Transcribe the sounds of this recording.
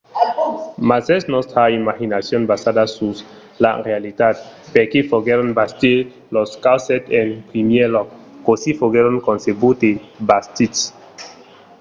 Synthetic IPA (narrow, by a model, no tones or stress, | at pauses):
masɛsnɔsthaimahinasjɔ̃nbasadasus | la̰ɾealit̪ad̪̚pɛkefɔɡɛɾɔnbasti | lɔskawsɛtɛ̃npɾimjɛlɔk̚ | kosifɔɡɛɾɔ̃nkɔ̃nsebut̪ebastits